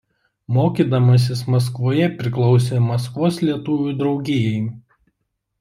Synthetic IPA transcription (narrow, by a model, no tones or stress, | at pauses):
moːkʲiːd̪ɐmɐs̬ʲɪsmɐs̬kʋoːjɛpʲɾʲɪklˠɒʊs̬ʲeːmɐskʋoːslʲiɛt̪uːʋʲud̪ɾɒʊɡʲeːjɛɪ